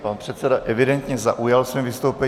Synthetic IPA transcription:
panpr̥ɛt̪sɛdaʔɛvɪdɛnt̪ɲɛza̰ʔujalsvimvɪst̪owpɛ

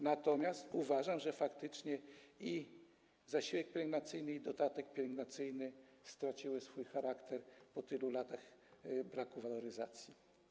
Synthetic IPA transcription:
nat̪ɔmʲjast̪uvaʐamʐɛfakt̪ɘt͡ʂɲɛi | zaɕiwɛk̚pʲjɛɾɛɡnat̪sɘjnɘid̪ɔt̪at̪ɛk̚pʲjɛɾɛɡnat̪sɘjnɘ | st̪ɾat͡ɕiwɘsfujxaɾakt̪ɛɾpɔt̪ɘlulat̪axbɾakuvalɔɾɘzat̪sʲji

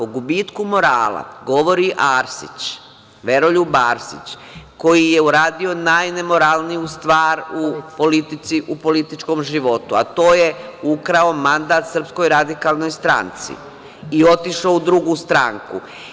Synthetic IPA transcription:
po̞ɡubiːt̪kumo̞ɾaːlˠa̰ɡo̞ʋo̞ɾiʔaːɾsḭt͡ɕ | ʋe̞ɾo̞ʎubaːɾsḭt͡ɕ | ko̞jije̞uɾaːd̪io̞najne̞mo̞ɾalˠnijust̪ʋaːɾupo̞lit̪it̪siʔupo̞lit̪it͡ʃko̞mʒiʋo̞t̪ua̰t̪o̞ːjeukɾaomand̪aːt̪sr̩psko̞jɾad̪ikaːlˠno̞jst̪ɾa̰ːnt̪sḭ | io̞t̪iʃoud̪ɾuɡuːst̪ɾaŋkṵ

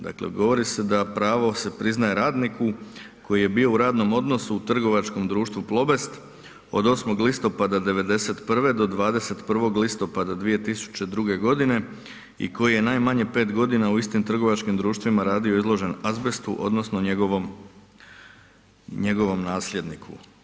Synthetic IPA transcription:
d̪a̰klḛɡo̞ʋo̞ɾise̞d̪apɾaːʋo̞se̞pɾiznaje̞ɾaːd̪niku | ko̞jije̞bijo̞uɾaːd̪no̞mo̞d̪no̞suːt̪r̩ɡo̞ʋat͡ʃko̞md̪ɾuːʃt̪ʋuplˠo̞be̞st̪ | o̞̰d̪o̞smo̞ɡlist̪o̞pad̪ad̪e̞ʋe̞d̪e̞se̞t̪pr̩ʋe̞d̪o̞d̪ʋaːd̪e̞se̞t̪pr̩ʋo̞ɡlist̪o̞pad̪ad̪ʋije̞t̪isu̥t͡ɕe̞d̪ɾuɡe̞ɡo̞d̪ine̞ | ḭko̞jije̞naːjmaɲe̞pe̞ːt̪ɡo̞d̪inauist̪imt̪r̩ɡo̞ʋat͡ʃkimd̪ɾuːʃt̪ʋimaɾaːd̪io̞izlˠo̞ʒe̞nazbe̞st̪ṵʔo̞̰d̪no̞snoɲeɡoʋom | ɲe̞ɡo̞ʋo̞mnaːslʎʲje̞d̪nikʰṵ

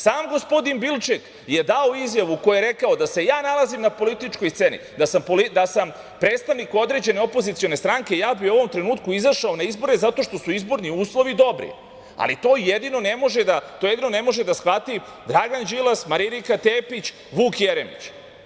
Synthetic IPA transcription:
saːmɡo̞spo̞d̪inbilˠt͡ʃek | je̞d̪aoizjaʋuko̞jeeɾe̞kao̞d̪ase̞jaːnalˠazimnapo̞lit̪it͡ʃko̞jst̪se̞ːnḭd̪asampolid̪asam | pɾe̞ːt̪st̪aʋnikuo̞d̪ɾe̞d͡ʑe̞ne̞o̞po̞zit̪io̞ne̞st̪ɾaŋke̞jaːbiuo̞ʋo̞mt̪ɾe̞nuːt̪kuizaʃao̞naizbo̞ɾe̞zat̪o̞ʃt̪o̞suizbo̞ɾniuːslˠo̞ʋid̪o̞bɾḭ | a̰lit̪o̞ːjed̪ino̞nemo̞ʒed̪at̪ojed̪inone̞mo̞ʒed̪asxʋat̪i | d̪ɾaɡand͡ʒilˠasmaɾiɾikat̪eːpit͡ɕ | ʋuːkjeɾemḭt͡ɕ

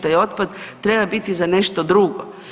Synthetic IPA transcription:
t̪ajo̞t̪̚pad̪t̪ɾe̞babit̪izane̞ʃt̪o̞d̪ɾuɡo

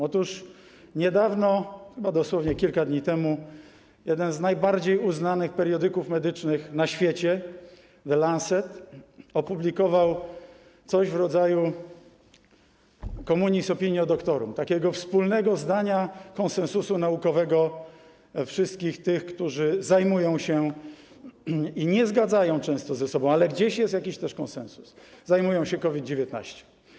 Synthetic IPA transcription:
ɔt̪uʂ | ɲɛd̪avnɔxɘbad̪ɔswɔvɲɛkʲilkad̪ɲit̪ɛmu | jɛd̪ɛnznajbaɾd͡ʑejuznanɘxpɛɾjɔd̪ɘkufmɛd̪ɘt͡ʂnɘxnaɕfʲjɛt͡ɕɛ | vɛlansɛt̪ɔpublʲikɔvaw | t̪sɔʑvɾɔd̪zaju | kɔmuɲisɔpʲiɲjiɔd̪ɔkt̪ɔɾṵmt̪akʲɛɡɔfspulnɛɡɔzd̪aɲakɔnsɛñsusunaukɔvɛɡɔ | fʂɘst̪̚kʲixt̪ɘxkt̪uʐɘzajmujɔ̃w̃ɕɛ | iɲɛzɡad̪zajɔ̃w̃t͡ʂɛ̃w̃st̪ɔzɛsɔbɔ̃w̃alɛɡd͡ʑeɕjɛst̪jakʲiɕt̪ɛʂkɔnsɛ̰̃ñsu̥szajmujɔ̃w̃ɕɛkɔvʲid̪̚d͡ʑevʲɛt̪na̰ɕt͡ɕɛ̥

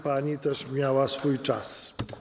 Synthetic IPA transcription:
panit̪ɐʃmiawasfujt͡ʃas

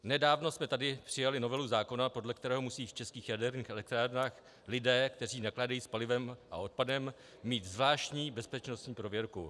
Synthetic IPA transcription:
nɛdaːvno̞smɛt̪adɪpr̝̥ɪjalɪno̞vɛluzaːko̞napo̞dlɛkt̪ɛɾɛːɦomusiːft͡ʃɛskiːxjadɛɾniːxɛlɛk̚t̪ɾaːɾnaːx | lɪdɛːkt̪ɛr̝iːnaklaːdajiːspalɪvɛmʔa̰o̞t̪̚padɛmː | iːt̪zvlaːʃt̪ɲiːbɛspɛt͡ʃno̞st̪ɲiːpɾovjɛɾkṵ

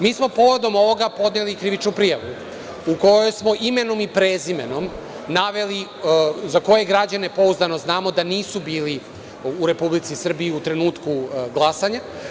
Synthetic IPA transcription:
miːsmo̞po̞ʋo̞d̪o̞mo̞ʋo̞ɡapo̞d̪nelikɾiʋit͡ʃnupɾijaʋu | uko̞jojsmo̞ʔime̞no̞mipɾeːzimḛno̞m | naʋe̞lizako̞jeɡɾad͡ʑane̞po̞uzd̪ano̞znaːmo̞d̪aniːsubiːli | uɾe̞publit̪sisr̩biiut̪ɾe̞nuːt̪kuɡlˠasaɲa

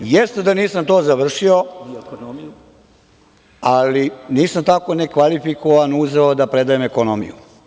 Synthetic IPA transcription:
jest̪ed̪aniːsamt̪oːzaʋr̩ʃio̞ | aliniːsamt̪ako̞nekʋalifikoʋanuzeod̪apɾed̪ajemekonomḭjṵ

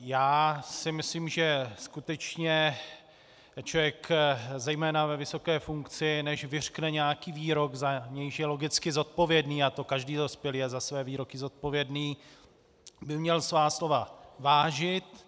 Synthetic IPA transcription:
jaːsɪmɪsliːmʒɛskut̪ɛt͡ʃɲɛ | t͡ʃovjɛkzɛjmɛːnavɛvɪso̞kɛːfuŋkt͡sɪnɛʃvɪr̝̥knɛɲɛjakiːviːɾo̞ɡzaɲɛjɪʃjɛlo̞ɡɪt͡skɪzo̞t̪̚po̞vjɛdniːat̪o̞kaʒdiːdo̞spjɛljɛzasvɛːviːɾo̞kɪzo̞t̪̚po̞vjɛdniː | bɪmɲɛlsvaːslo̞vavaːʒɪt̪

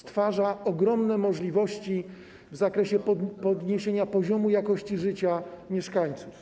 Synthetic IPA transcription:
st̪faʐaɔɡɾɔmnɛmɔʐlʲivɔɕt͡ɕi | vzakɾɛɕɛpɔpɔd̪ɲeɕeɲapɔʑɔmujakɔɕt͡ɕiʐɘt͡ɕamʲjɛʂkaɲt̪suf

